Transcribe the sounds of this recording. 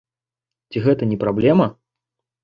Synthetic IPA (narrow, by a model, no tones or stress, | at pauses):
t͡sʲiɣɛt̪ɐnʲɛpɾablʲɛmɐ